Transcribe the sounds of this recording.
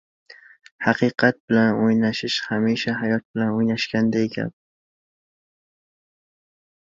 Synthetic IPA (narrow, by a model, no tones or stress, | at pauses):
hɑqʰɨqʰɑt̪̚bɪlanojnaʃɪʃhamiʃaɦajɒt̪̚bɪlanojnaʃkʲand̪aekʲʰa̰b